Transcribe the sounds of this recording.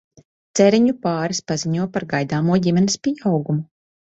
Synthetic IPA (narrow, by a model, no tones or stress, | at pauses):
t̪sɛɾiɲupaːɾispaziɲuɔpaɾɡajd̪aːmuɔɟʲimʲɛnisʲpʲiawɡumu